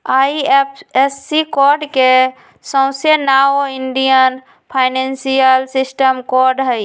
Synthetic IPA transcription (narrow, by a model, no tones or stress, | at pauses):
aːiepesːikɔːɾɖke | sə̃ʊ̃senaoɪɳɖijən | pʰaɪnẽnsijəlsɪsʈəmkɔːɾɖɦəj